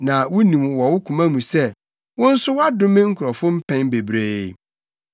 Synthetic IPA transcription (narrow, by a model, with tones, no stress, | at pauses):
nã˨wʊ˦nĩ˨mwɔ˨wʊ˦kʰũ˨mã˦mũ˨sɛ˦ | wʊ̃˦n̩˦sʊ˦wa˦dʊ˦mɪ̃˦ŋ̩˦kʰʊ˨ɾɔ˨fʊ̃˦m̩˦pʰɛ̃˦nbe˨bɾeː˦